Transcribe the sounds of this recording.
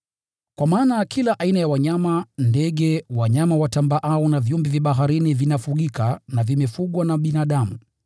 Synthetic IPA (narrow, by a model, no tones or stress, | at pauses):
kwamaːnakʰilaʔainajawaɲamandɛɠɛwaɲamawatambaʔaɔnavjumbɛvjaɓaɦaɾinivinafuɠikanavimɛfuɠwanaɓinaːɗamu